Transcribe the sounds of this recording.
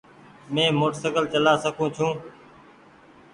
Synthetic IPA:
mẽːmoːʈst̪əkəlt͡ʃəlaːsəkʰũːt͡ʃʰũː

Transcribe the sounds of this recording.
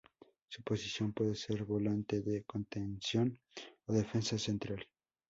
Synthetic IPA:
supo̞sisjo̞mpweðeseɾβo̞lant̪eðeko̞nt̪ensjo̞n | oðe̞fe̞nsase̞nt̪ɾal

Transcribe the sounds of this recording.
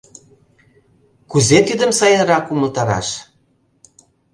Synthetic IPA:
kuzet̪id̪əmsɑjəɾɑkuməlt̪ɑɾɑ̰ʃ

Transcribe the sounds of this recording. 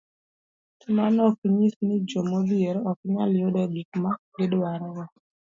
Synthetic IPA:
tumanɔkiɲisnɪd͡ʒɔmɔbieɾɔkɲa̰ljodɔbikma | ɡedwaɾɛwɔ

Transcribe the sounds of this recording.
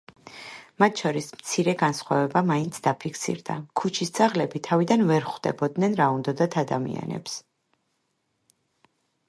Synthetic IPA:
mat̪ʰʃɔɾismt̪sʰiɾɛɡansχwa̰vɛbamaint̪sʰd̪apʰikʰsḭɾd̪akʰut͡ʃʰisd̪z̥aʁlɛbit̪ʰavid̪anvɛɾχwd̪ɛ̰bɔd̪nɛnɾaund̪ɔd̪at̪ʰad̪amḭa̰nɛ̰ps

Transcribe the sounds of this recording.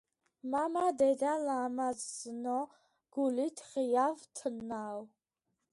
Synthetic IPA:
mamadedalaːmazzɨno | ɡ̥ulitʰijavtʰənːaːw

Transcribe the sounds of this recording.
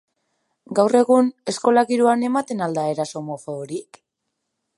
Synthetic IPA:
ɡawre̞ɣune̞sko̞laɣiɾuane̞mat̪e̞nald̪aeɾaso̞mofoːɾik

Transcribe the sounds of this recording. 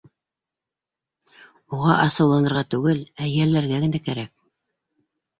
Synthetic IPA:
uʁɑʔɑsɤ̆wlˠɑnɤ̆ɾʁɑt̪ʉɡɘlæjælːæɾɡæɡɘ̆nækæɾæk̚

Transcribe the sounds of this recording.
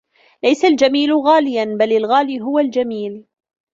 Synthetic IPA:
lajsald͡ʒamiːlɣaːlɪjanbalɪlɣaːliːɦʊwald͡ʒamiːl

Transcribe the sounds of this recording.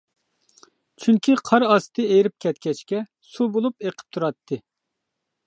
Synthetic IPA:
t͡ʃʰyŋkʲiqʰɑɾɑst̪ʰɨejɾɪp̚kʲɛt̪kʲʰɛt͡ʃkʲɛ | subolˠupeqʰə̥p̚t̪ʰuɾɑt̪ʰːɨ

